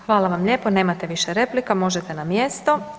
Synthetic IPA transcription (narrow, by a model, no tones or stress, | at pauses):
xʋaːlˠaʋamʎe̞ːpone̞ːmat̪eʋiʃeɾe̞ːplikamo̞ʒet̪enamjest̪o̞